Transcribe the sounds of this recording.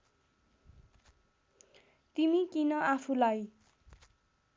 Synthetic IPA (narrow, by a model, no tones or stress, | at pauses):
t̪imikinʌʔapʰulaj